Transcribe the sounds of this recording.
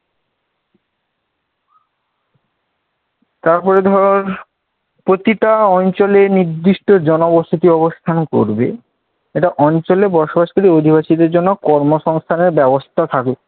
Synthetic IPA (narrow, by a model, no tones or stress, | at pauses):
t̪aɾpɔɾed̪ʱɔɾon | pɾot̪iʈaɔnt͡ɕoleniɾd̪ːiʃʈod͡ʑɔnobost̪ʰit̪iɔbost̪ʰanko̰ɾbḛ | eʈaʔɔnt͡ɕolebɔɾʃobaʃkaɾiod̪ʱibaʃid̪eɾd͡ʑonːokɔɾmoʃɔŋst̪ʰaneɾbɛbost̪ʰat̪ʰake